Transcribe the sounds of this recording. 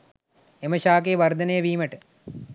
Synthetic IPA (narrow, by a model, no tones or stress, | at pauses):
emɐɕaːk̬eːʋɐrd̪ʱɐnɐjɐʋiːmɐʈɨ